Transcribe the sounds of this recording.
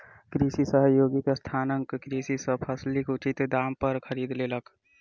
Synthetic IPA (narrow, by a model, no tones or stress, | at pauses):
kɾisisəɦəjoɡikest̪ʰanəŋkkɾisisəpʰəslikut͡ʃit̪d̪ampəɾkʰəɾid̪lelək